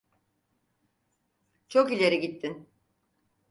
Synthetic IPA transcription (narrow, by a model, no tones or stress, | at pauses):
t͡ʃʰo̞kilʲe̞ɾiɟit̪ʰːin